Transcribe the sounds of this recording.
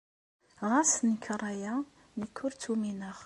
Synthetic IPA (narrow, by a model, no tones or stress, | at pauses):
ʁasnikʰːɾˤɑja | nəkʰːʊɾt̪ʰuminəʁ